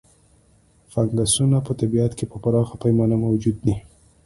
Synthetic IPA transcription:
faŋɡasunapət̪abiat̪kepəpaɾɑxapajmɑnamawd͡ʒud̪̚ːi

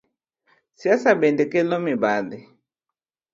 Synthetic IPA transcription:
siasabɛndɛkɛlɔmibali

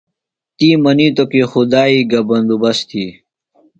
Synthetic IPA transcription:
t̪iːmɐniːt̪okexud̪aːiːɡɐbɐnd̪ubɐst̪ʰiː

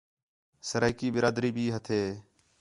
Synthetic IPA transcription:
səɾaːɪkiːbɪɾaːd̪ɾiːbʱiːɦət̪ʰeː

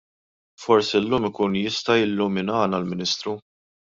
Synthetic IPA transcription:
fɔɾsiɪlːuːmɪkuːnjɪst̪ɐjɪlːʊmɪnɐːnɐlmɪnɪːst̪ɾu

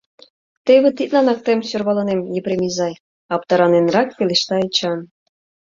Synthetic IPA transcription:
t̪eβĕt̪it̪lɑnɑk̚t̪emsørβɑlɑnemjepɾemʲizɑj | ɑp̚t̪ɑɾɑnenrɑk̚peleʃt̪ɑet͡ɕɑn

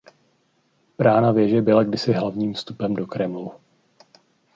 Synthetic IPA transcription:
b̥ɾaːnavjɛʒɛbɪlaɡdɪsɪɦlavɲiːmfst̪upɛmdo̞kɾɛmlu

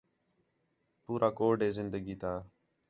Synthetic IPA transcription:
puːɾʔaːkoːɖeːzɪnd̪əɡiːt̪ʰaː

